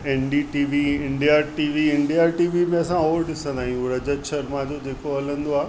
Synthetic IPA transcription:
eːnɖiʈiːʋiɪ̃ɳɖijaʈiːʋiɪ̃ɳɖijaʈiːʋimẽɐsãoːɾɗɪsə̃nd̪aːɦijũɾɐd͡ʑəʃɐɾmãd͡ʑod͡ʑeːkoɦɐlə̃nd̪oaː

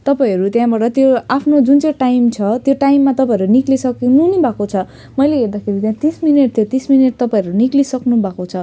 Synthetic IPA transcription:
t̪ʌpaĩʌɾut̪jãbaʈʌt̪joapʰnod͡zunt͡sʌ̃jʈajmt͡sʰʌt̪joʈajmːat̪ʌpaĩʌɾuniklisʌknunibʱakot͡sʰʌ | mʌjleɦerd̪akʰeɾit̪jãt̪ismineʈ̚t̪ʰjot̪ismineʈ̚t̪ʌpaĩʌɾuniklisʌknubʱakot͡sʰʌ

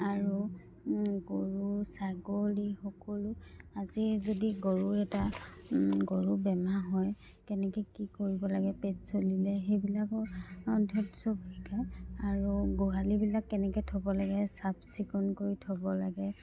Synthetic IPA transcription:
aɹu | ɡoɹusaɡolixɔkɔluazizodiɡoɹuɛta | ɡoɹubɛmaɦɔj | kɛnɛkɛkikoɹibɔlaɡɛpetsolilɛxejbilakɔdʱɔtsɔbɹikajaɹuɡoɦalibilakːɛnɛkɔtʰɔbɔlaɡɛsabsikɔnkoɹitʰɔbɔlaɡɛ

